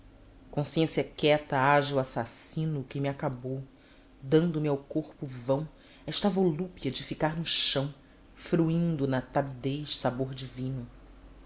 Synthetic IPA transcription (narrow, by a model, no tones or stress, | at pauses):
kõsiẽsjɐkɛt̪ɐaʒuasasĩnʊkɪmiakabow | d̪ɐ̃nd̪ʊmiawkoɾpʊvɐ̃w̃ | ɛʃt̪ɐvolupiɐd͡ʒɪfikaɾnʊʃɐ̃w̃ | fɾuĩnd̪ʊnɐt̪abid̪ejʃsaboɾd͡ʒivĩnʊ